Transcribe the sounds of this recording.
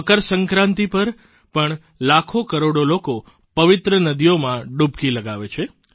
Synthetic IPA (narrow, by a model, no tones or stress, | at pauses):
əkəɾsəŋkɾãnt̪ipəɾ | pəɳ | lakʰokəɾoɽoloko | pəʋit̪ɾənəd̪ijomãɖub̚kiləɡaʋet͡ʃʰe